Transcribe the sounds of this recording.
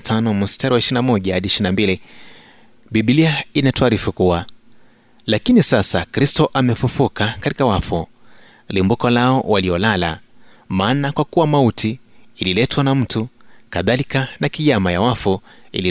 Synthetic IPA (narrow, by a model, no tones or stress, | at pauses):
tʰanɔmustaɾuwaiʃiinamɔʄahaɗiʃinambili | ɓiɓiliainatɔaɾifukuwa | lakinisasakɾistɔʔamɛfufukakati̥kawafɔ | limbukɔlaɔwaliɔlala̰maːnakwakuwamautiːlilɛtwanam̩tukaðalikanakijamajawafɔḭli